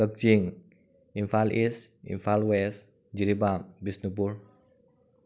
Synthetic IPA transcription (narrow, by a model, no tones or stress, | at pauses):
ək̚d͡ʒiŋ | infalʔis | ḭnfalwɛs | d͡ʒiɾibambisnubur